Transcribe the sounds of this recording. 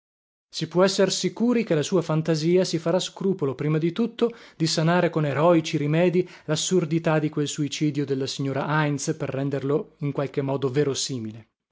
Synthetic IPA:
sipwɔɛsːersikuːɾik̟elasuːafant̪aziːasifaɾaskɾuːpolopɾiːmad̪it̪ut̪ːod̪isanaːɾekoneɾɔit͡ʃiɾimɛːd̪i | lasːurd̪it̪ad̪ikwelsuit͡ʃiːd̪jod̪elːasiɲːoːɾaʔajnsperːɛnd̪erloiŋkwalk̟emːɔːd̪oveːɾosiːmile

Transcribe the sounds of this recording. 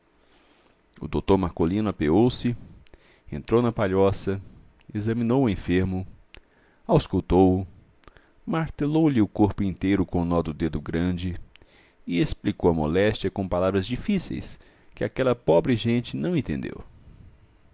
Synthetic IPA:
ʊ̰d̪owt̪oɾmaɾkolĩnʊapeɡowsɪ | ḛ̃nt̪ɾownɐpaʎɔsɐ | ezɐmĩnowʊẽfeɾmʊ | awskuwt̪owʊ | maɾt̪elowlɪʊkoɾpʊĩnt̪ejɾʊkõnɔd̪ʊd̪ed̪ʊɡɾɐ̃d͡ʒɪ | ɪesplikowɐmo̰lɛst͡ʃiɐkõpalavɾɐzd͡ʒifisḛjs | kɪakɛlɐpɔbɾɪʒẽnt͡ʃɪnɐ̃w̃ẽnt̪ḛ̃nd̪ḛw

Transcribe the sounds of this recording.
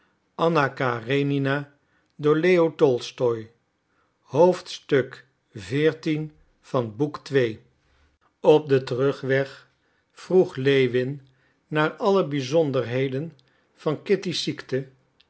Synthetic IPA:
ʔɑnakareninaː | dʊːɹlejotɔlˠstɔj | ɦowftstɵk | vɪːɹtin | v̥ɑnbuktʋej | ɔp̚dətərɵχʋɛχ | fruχlejʋɪnː | aːɹɑləbizɔndəɹɦejdən | v̥ɑnkɪtisiktə

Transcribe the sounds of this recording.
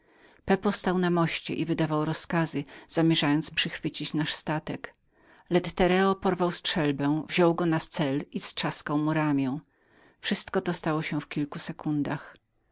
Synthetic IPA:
pɛpɔst̪awnamɔɕt͡ɕɛ̰ʔivɘd̪avawɾɔskazɘz̥amʲjɛʐajɔnt̪spʂɘxfɘt͡ɕit͡ɕnaʂst̪at̪ɛk | lɛt̪t̪ɛɾɛɔpɔɾvawstʂɛlbɛw̃vʑɔwɡɔnast̪sɛlisʂaskawmuɾamʲjɛ̃w̃ | fʂɘst̪kɔt̪ɔst̪awɔɕɛ̃fkʲilkusɛkund̪ax

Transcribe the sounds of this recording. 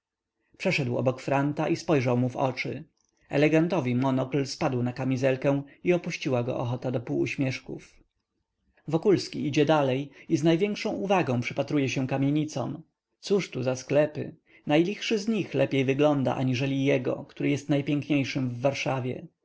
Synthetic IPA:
pʂɛʂɛd̪wɔ̰bɔkfɾant̪aʔispɔjʐawmuvɔ̰t͡ʂɘ̰ | ɛlɛɡant̪ɔvʲimɔnɔklspad̪wnakamʲizɛlkɛ̃iɔpuɕt͡ɕiwaɡɔ̰ʔɔxɔt̪ad̪ɔpuːɕmʲjɛʂkṵf | vɔkulskʲiid͡ʑɛd̪alɛjiznajvʲjɛŋkʂɔ̃w̃uvaɡɔ̃w̃pʂɘpat̪ɾujɛɕɛ̃kamʲjeɲit̪sɔm | t̪suʂt̪uzasklɛpɘ̰ | najlʲixʂɘzɲixlɛpʲjejvɘɡlɔnd̪a̰ʔa̰ɲiʐɛlʲijɛɡɔ̰kt̪uɾɘjɛst̪najpʲjɛŋkɲejʂɘmvːaɾʂavʲjɛ̰

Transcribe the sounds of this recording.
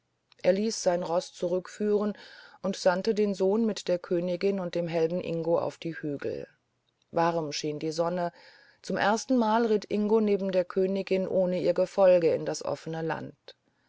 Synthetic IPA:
ʔeːɐliːsz̥aɪnʁɔst͡suʁʏkfyːʁənʔʊntz̥antədeːnzoːnmɪtd̥eːɐkʰøːnɪɡɪnʊnt̚d̥eːmɦɛlbn̩ʔɪ̰ŋɡoʔa̰ʊfd̥iːhyːɡl̩ | vaʁmʃiːndiːzɔnə | t͡sʊmʔeɐstn̩maːlʁɪtʰʔɪŋɡoneːbm̩deːɐkʰøːnɪɡɪnʔoːnəiːɐɡəfɔlɡəɪ̰ndasʔɔ̰fənəla̰nt

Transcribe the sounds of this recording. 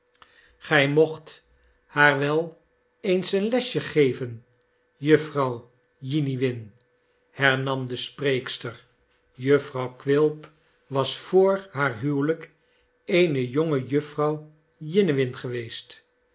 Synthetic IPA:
χɛjmoχt | haːɹʋɛlˠ | ejnsənlɛsjəχejvən | jɵfrɑw | jiniʋɪn | hɛɹnɑmdəspreːkstər | jɵfrɑwkʋɪlˠp | ʋɑsfʊːɹɦaːɹɦywlək | ejnəjoŋəjɵfrɑw | jɪnəʋɪnχəʋejst

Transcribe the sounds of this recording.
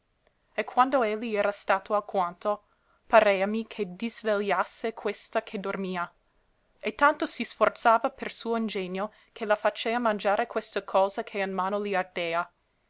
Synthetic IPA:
ekʰːwand̪oelːiɛːɾast̪aːt̪ʰoakwant̪o | paɾeːamikʰed̪izveljasːekʰwest̪akʰed̪ormiːa | et̪ːant̪osisfort̪saːvapersuːoind͡ʒeɲːo | kʰelafat͡ʃeːamand͡ʒaːɾekwest̪akʰɔːzakʰeinmaːnoliard̪̥eːa

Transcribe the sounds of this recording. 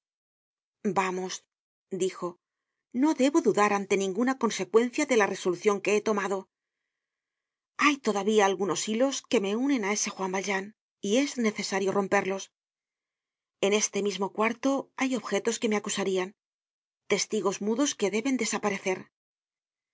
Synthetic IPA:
bamo̞s | d̪ixo̞ | no̞ðe̞βo̞ðuðaɾant̪e̞nĩŋɡunako̞nse̞kwe̞nθjaðe̞lare̞so̞luθjo̞ŋke̞e̞t̪o̞maðo̞ | ajt̪o̞ðaβiaːlɣuno̞silo̞ske̞me̞unẽ̞nae̞se̞xwambalʒan | ie̞zne̞θe̞saɾjo̞ro̞mpe̞ɾlo̞s | e̞ne̞st̪e̞mizmo̞kwaɾt̪o̞ajo̞βxe̞t̪o̞ske̞me̞akusaɾian | t̪e̞st̪iɣo̞zmuðo̞ske̞ðe̞βe̞nd̪e̞sapaɾe̞θe̞ɾ

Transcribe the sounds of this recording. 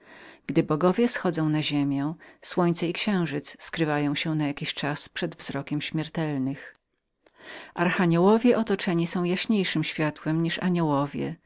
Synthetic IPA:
ɡ̥d̪ɘbɔɡɔvʲjɛsxɔd̪zɔ̃w̃naʑemʲjɛ̃swɔɲt̪sɛikɕɛ̃w̃ʐɘt̪sskɾɘvajɔ̃w̃ɕɛnajakʲiɕt͡ʂaspʂɛd̪vzɾɔkʲɛmɕmʲjɛɾt̪ɛlnɘx | ʔaɾxaɲɛwɔvʲjɛʔɔt̪ɔt͡ʂɛɲisɔ̃w̃jaɕɲejʂɘmɕfʲjat̪wɛmɲiʂa̰ɲɔwɔvʲjɛ̰

